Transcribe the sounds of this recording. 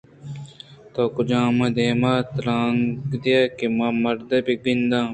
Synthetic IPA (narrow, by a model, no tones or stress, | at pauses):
t̪oːkud͡ʑãːmɐ̃d̪eːmaːt̪ɾãːŋɡd̪ijakimɐmɐɾd̪ɐbiɡind̪ãː